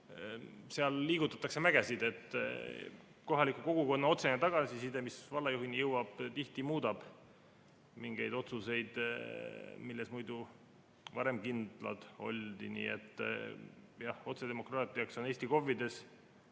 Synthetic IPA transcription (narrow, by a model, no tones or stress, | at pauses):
seɑlːiːɡ̥ut̪ːˑɑ̥t̪ːˑɑkse̞mæɡ̥esid̪̥e̞t̪ːˑ | ko̞ɦɑlikːuko̞ɡ̥uko̞nːɑo̞t̪se̞net̪ɑɡ̥ɑsisid̪emisvɑlːɑjuɦinijɤwɑb̥t̪iht̪imuːd̪̥ɑb̥ | miŋɡ̥e̞jd̪o̞t̪suse̞jd̪̥ | milːe̞smujd̪u | vɑɾe̞mkind̪̥lɑ̰d̪̥o̞̰lʲd̪̥inḭḛt̪ːˑ | jɑho̞t̪se̞d̪e̞mo̞krɑːt̪ˑiɑkso̞ne̞ːsʲt̪iko̞vːid̪e̞s